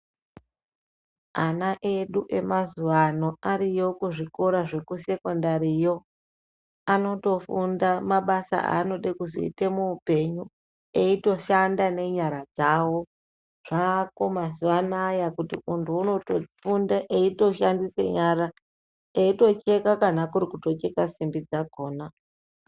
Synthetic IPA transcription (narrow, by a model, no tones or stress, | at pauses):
anaʔe̞ɗuʔe̞mazuʋano̞aɾijo̞kuʐiko̞ɾaʐe̞kuse̞ko̞ndaɾijo̞ | ano̞to̞fundamaɓasa̰a̰no̞ɗekuzo̰ḭtemuːpe̞ɲu | e̞ito̞ʃandane̞ɲaɾad͡zawo̞ | ʐ̥ako̞mas̬iʋanajakutḭuntʰuːno̞tofundaʔeito̞ʃandisḛɲaɾa | eito̞t͡ʃe̞kakanakuɾikuto̞t͡ʃe̞kasimbid͡zako̞ːna